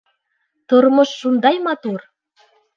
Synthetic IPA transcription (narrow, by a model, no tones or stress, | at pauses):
t̪ormɤ̆ʃːund̪ɑjmɑt̪ur